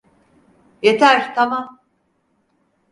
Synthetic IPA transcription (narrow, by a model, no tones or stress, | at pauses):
jet̪ʰæɾt̪ʰamam